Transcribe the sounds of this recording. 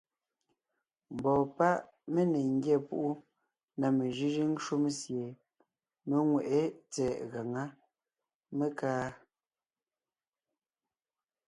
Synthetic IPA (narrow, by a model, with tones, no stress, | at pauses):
m̩˨bɔː˨pa˦ʔ | me˦ne˨ŋ̩˦ɡjɛ˦˨pṵ˦ʔu˦ | na˨me˨ʒi˦ʒi˦n̩˦ʃu˦msje˨ | me˦ŋwɛ˨ʔe˦t͡sɛː˨ʔɣa˨ŋa˦ | me˦kaː˦